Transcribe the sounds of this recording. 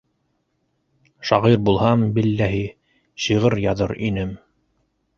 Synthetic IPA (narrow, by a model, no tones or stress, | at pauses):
ʃɑʁiɾbulˠhɑmbilːæɦi | ɕiʁɤɾjɑðɤɾinɘm